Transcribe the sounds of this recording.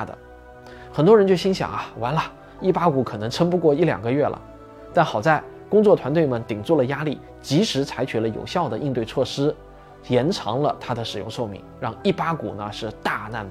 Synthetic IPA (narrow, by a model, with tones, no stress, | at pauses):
d̪ə̰˩ | xə˨˩nt̪wɔ˥ɻə˧˥t͡ɕjɕi˥ŋɕjɑ̰˨˩ŋɐ˦wa˧˥nlɐ˧ | i˥˩pa˥ku˧˥kʰɤ˨˩nɤ˧˥ŋʈ͡ʂʰə˥ŋpu˥˧kwɔ˥˧i˥˩ljɑ̰˨˩ŋɡə˦ɥɛ˥˩lʔə̰˩ | t̪a˥˩nxɑ˨˩ʊt͡sa˥˩ɪ | kʊ˥ŋt͡swɔ˥˩t̪ʰwa˧˥nt̪we˥˩ɪmə˩nt̪i˨˩ŋt͡swɔ˥˩lə˩ja˥li˥˩ | t͡ɕi˧˥ʂɻ̩˧˥t͡sʰa˧˥ɪt͡ɕʰy˨˩lə˦jo̰˨˩ʊɕjɑ˥˩ʊd̪ə˩ʔi˥˧nt̪we˥˧t͡sʰwɔ˥˩ʂɻ̩˥ | jɛ˧˥nʈ͡ʂʰɑ̰˧˥ŋlə˧t̪ʰa˥d̪ə˨ʂɻ̩˨˩jʊ̰˥˧ŋʂo˥˧ʊmḭ˧˥ŋɻɑ˥˧ŋi˥˩pa˥kṵ˨˩nə˦ʂɻ̩˥˧t̪a˥˧na̰˥˩n